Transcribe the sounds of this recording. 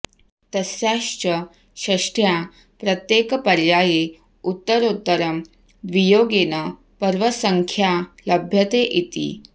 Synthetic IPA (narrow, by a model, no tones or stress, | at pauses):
t̪əsjaɕt͡ɕə | ɕəʂʈʰja | pɾət̪jekpəɾjaje | ut̪ːəɾot̪ːəɾəm | ʋijoɡenə | pəɾʋəsəŋkʰjaləbʱjət̪eʔit̪ḭː